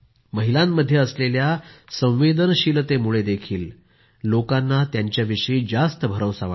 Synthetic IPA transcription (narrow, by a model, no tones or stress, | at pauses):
məɦilãmːəd̪ʱːjeəsleljasə̃w̃ʋed̪ənɕilət̪emuɭed̪ekʰiːlː | okanːat̪jaɲt͡ɕjaʋiʂəid͡zast̪əbʱəɾəwsaʋa